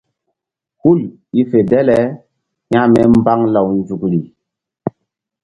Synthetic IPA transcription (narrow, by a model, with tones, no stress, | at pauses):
hu˦˨l | i˦fe˨dɛ˦lɛ˦ | ɲa˦mɛ˦mba˦ŋla˨wnd͡zu˨kɾi˨